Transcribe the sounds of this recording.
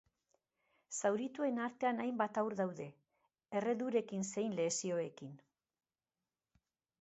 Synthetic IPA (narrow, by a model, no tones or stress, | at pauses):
sawɾit̪ue̞naɾt̪e̞anajmbat̪awɾðawðe̞ | ere̞ðuɾe̞kinse̞jnle̞sio̞e̞kin